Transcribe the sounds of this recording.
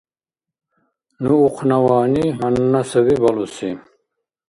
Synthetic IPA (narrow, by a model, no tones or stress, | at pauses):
nuuqʰnawaːniɦannasəβibɔlusi